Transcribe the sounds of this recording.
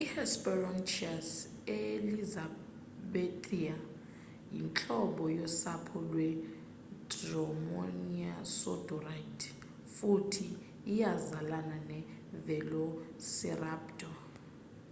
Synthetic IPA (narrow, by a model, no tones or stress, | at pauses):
ihɛspɛrɔnt͡ʃias | eliza | ɓetʼia | jḭnt͡ɬʼɔɓɔjɔsapʰɔlwɛ | drɔmɔ̰niasɔ̰dɔraitʰ | futʰiː | jazalananɛ | vɛlɔsɛ̰raːpd̥ʱɔ